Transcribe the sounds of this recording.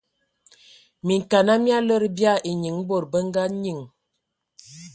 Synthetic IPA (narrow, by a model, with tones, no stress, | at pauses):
mi˨ŋ˨ka˨na˦mja˦lə˦ɾbja˦˨e˨ɲi˨ŋbo˨ɾbə˦ŋ˦ɡa˦ɲi˨ŋ